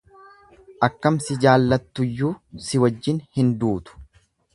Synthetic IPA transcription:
ʔɐkːɐmsɪd͡ʒaːlːɐt̪ːʊjːuːsɪwɐd͡ʒːɪnhɪnd̪uːt̪ʊ̥

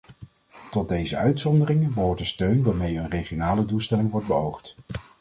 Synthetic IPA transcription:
tɔt̚dejzəʔœɥtsɔndərɪŋəbəɦʊːɹtdəstøɥnʋaːɹmejənrejχijonaːlədulˠstɛlɪŋʋɔɹd̚bəowχt

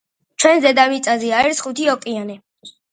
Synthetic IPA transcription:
t͡ʃʰwɛnzɛd̪amit̪sʼaziaiɾsχut̪ʰiɔkʼianɛ

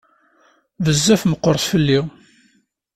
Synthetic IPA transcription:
vəzːæfməqːəɾˤθfəlːi

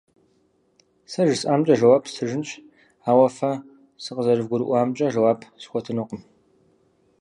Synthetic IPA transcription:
sɐʒɨsaːmt͡ʃʼɐʒɐwaːpsʰɨʒɨnt͡ʃʰʼ | aːwɐfɐ | sɨqəzɐɾɨvɡʷʊɾɨ̰ʔʷaːmt͡ʃʼɐʒɐwaːpʰsxʷɔtʰɨnʊqəm

